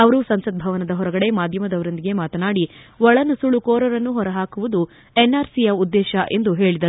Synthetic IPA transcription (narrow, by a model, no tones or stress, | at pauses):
ɐʋɐɾusɐmsɐd̪̚bʱɐʋɐnɐd̪ɐɦɔɾɐɡɐɽe̞maːd̪ʱjɐmɐd̪ɐʋɐɾond̪iɡe̞maːt̪ɐnaːɽiʋɔɭɐnɐsuɭukoːɾɐɾɐnːuɦɔɾɐɦaːkuʋud̪u | enːaːɾsijɐud̪ːɛːʃɐʔe̞nd̪uɦe̞ːɭid̪ɐɾu